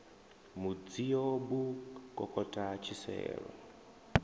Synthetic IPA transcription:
mud͡zijobukʼɔkʼɔtʼat͡ʃʰisɛ̰ːɺɔ̰

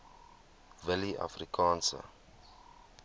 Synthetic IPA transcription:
vɪliʔa̰frikʰɑ̃ːnsə̰

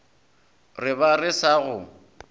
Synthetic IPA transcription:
rɪβarɪsaɣʊ

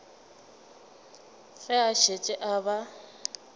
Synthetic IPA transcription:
fɛaʃet͡ʃʼɪʔaβa

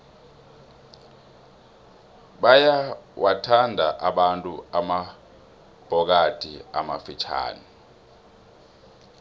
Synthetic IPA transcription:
ɓajawʔatʰandʱaʔaɓantʼuama | b̥ʱɔk̬atʰʼia̰mafit͡ʃʰa̰ːni

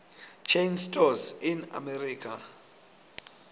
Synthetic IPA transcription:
t͡ʃʰẽnstʰɔzina̰mɛɾikʰa

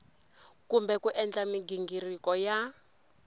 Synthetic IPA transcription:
kumbɛkuʔɛnd͡ɮamiɡiŋɡiɾikɔja

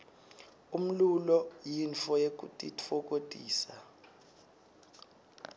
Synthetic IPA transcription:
um̩lulɔjinfɔjek̬ʼutʼitfɔk̬ʼodʼʱiːsa

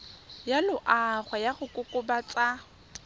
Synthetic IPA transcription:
jalʊʔaχwajaχʊkʼʊkʼʊbat͡sʼa

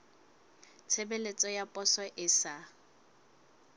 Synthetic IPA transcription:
t͡sʰebelet͡sʼɔjapʼɔsɔʔɪsa

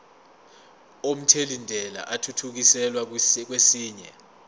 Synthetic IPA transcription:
om̩tʰelindʱɛla̰ʔatʰutʰuk̬isɛlwak̬wesiːɲɛ̰

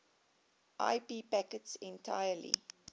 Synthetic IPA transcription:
ʔa̰ɪpiːpækətsɛ̃ntʰa̰ɪəlḭ

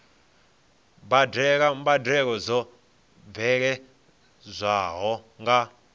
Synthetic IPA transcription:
badɛkambadɛk̬ɔzɔ | b̪vɛk̬ɛ | zʷaɦɔŋɡa

